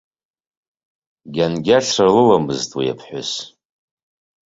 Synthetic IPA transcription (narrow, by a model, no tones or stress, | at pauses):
ɡʲanɡʲaʈ͡ʂʰarlɨlamɨztʼwia̰pʰħʷʊ̰s